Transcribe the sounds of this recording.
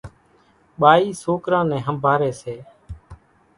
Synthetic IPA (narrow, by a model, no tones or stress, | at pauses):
ɓaːiːsoːkɾãːnɛ̃ːɦəmbʱaːɾɛːseː